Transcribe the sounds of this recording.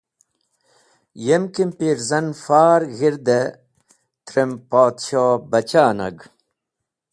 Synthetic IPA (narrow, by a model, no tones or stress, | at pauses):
jemkimpiɾzɐnfaːɾɣiɾd̪e | t̪ɾempaːt̪ɕoːbɐt͡ɕaːnɐ̰ɡ